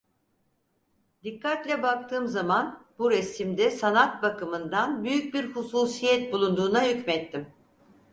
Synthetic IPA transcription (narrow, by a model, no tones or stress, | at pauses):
d̪ikʰːat̪lʲɛbak̚t̪ʰɯːmzamanbuɾɛsimd̪ɛsanat̪̚bakɯmɯnd̪anbyjyc̚biɾhusuːsijɛt̪̚bulˠund̪uːnahycmɛt̪ːim